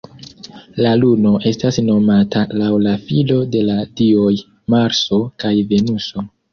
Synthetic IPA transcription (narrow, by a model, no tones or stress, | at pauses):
laluno̞ʔe̞stasno̞matalawlafilo̞de̞ladio̞j | maɾso̞kajve̞nuso̞